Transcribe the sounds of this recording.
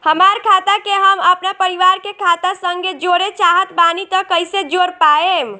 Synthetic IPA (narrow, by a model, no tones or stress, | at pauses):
həmaɾkʰat̪akeɦəməpnapəɾiʋaɾkekʰat̪asəŋɡed͡ʒoɾet͡ʃaɦət̪banit̪əkəjsed͡ʒoɾpaem